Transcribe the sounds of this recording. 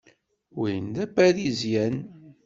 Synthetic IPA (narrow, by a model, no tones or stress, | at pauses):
wijənd̪æbæðizjæn